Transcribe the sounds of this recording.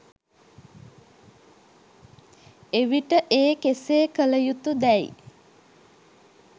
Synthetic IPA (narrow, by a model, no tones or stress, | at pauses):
eʋiʈəʔeːkeseːkələjut̪ud̪ɛj̰